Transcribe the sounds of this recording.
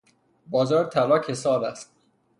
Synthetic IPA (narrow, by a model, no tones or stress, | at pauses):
bɒːzɒːɾt̪ʰælɒːkʰesɒːlæst̪̚